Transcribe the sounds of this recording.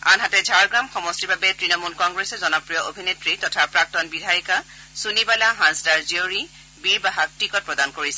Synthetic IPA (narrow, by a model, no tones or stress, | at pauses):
a̰nɦatɛd͡ʒʱaɹɡɹamxɔmɔstibabɛtɹinɔmulkɔŋɡɹɛsɛzɔnɔpɹijɔʔobʱinetɹitɔtʰapɹak̚tɔnbidʱajɔka | sunibalaɦãnsdaɹzioɹi | biɹbaɦak̚tɹikɔt̚pɹɔdankoɹisɛ